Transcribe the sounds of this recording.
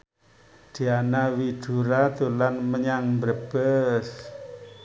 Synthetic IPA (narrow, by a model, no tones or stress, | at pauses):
d̪̥ianawid̪̥uɾat̪ulanməɲaŋmbəɾb̥əs